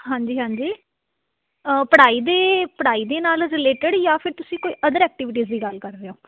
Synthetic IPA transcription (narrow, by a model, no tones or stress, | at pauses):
ɦãːɲd͡ʒiːɦãːɲd͡ʒiː | əpəɽaːiːd̪eːpəɽaːiːd̪eːnaːlɾɪleːʈəɖjaːpʰɪɾt̪ʊsĩːkoːiːʔəd̪əɾɛːk̚ʈɪʋɪʈ̬iːzd̪iːɡəlkəɾːeːõː